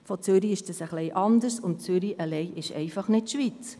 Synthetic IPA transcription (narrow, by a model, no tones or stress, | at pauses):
fot͡sʏɾiɪʃd̥ɑsəχlɛɪʔɑnd̪əɾsʊnt̚t͡sʏɾiʔəlɛɪʔɪʃɛ̰ɪfɑχnɪtʃʋit͡s